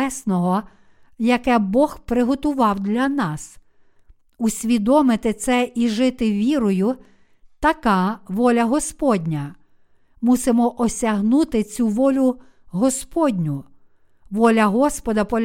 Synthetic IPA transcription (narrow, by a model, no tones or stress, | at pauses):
ɛsnɔɦɔ | jɐkɛbɔxpɾɪɦɔt̪ʊʋɑwd̪lʲɐnɑs | usʲʋʲid̪ɔmɪt̪ɪt̪sɛʔiʒɪt̪ɪʋʲiɾɔjʊ | t̪ɐkɑʋɔlʲɐɦɔspɔdʲnʲɐ | musɪmɔʔɔsʲɐɦnut̪ɪt͡sʲuʋɔlʲʊ | ɦɔspɔdʲnʲʊ | ʋɔlʲɐɦɔspɔd̪ɐpɔlʲ